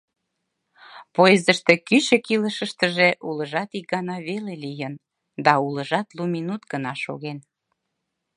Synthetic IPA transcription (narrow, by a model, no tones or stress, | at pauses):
pojezəʃt̪ekyt͡ɕə̆kiləʃəʃt̪əʒeʔuləʒɑt̪ik̚ɡɑnɑβelelijən | d̪ɑuləʒɑt̪luminut̪ɡənɑʃo̰ɣen